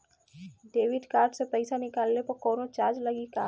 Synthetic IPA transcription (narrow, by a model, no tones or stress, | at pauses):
ɖeːʋɪɖkaːɾɖsepəɪsanɪkaːlːepɐɾkɔːnot͡ʃaːɾd͡ʒləɡikaː